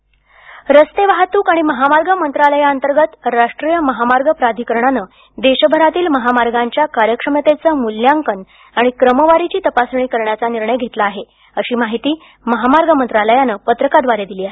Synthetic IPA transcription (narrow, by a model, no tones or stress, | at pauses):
ɾəst̪eʋaɦat̪uːkaɽ̃iməɦamaɾɡəmənt̪ɾaləjaənt̪əɾɡət̪ɾaʂʈɾijəməɦamaɾɡəpɾad̪ʱikəɾɳanəː | d̪eɕəbʱəɾat̪iːlməɦamaɾɡaɲt͡ɕjakaɾjəkʂəmət̪et͡səːmuljaŋkən | aɽ̃ikɾəməʋaɾit͡ɕiːt̪əpasɳ̃iːkəɾɳjat͡saniɾɳəjɡʱet̪laːɦe | əɕiːmaɦit̪iː | məɦamaɾɡəmənt̪ɾaləjanəːpət̪ɾəkad̪ʋaɾed̪iliːaɦe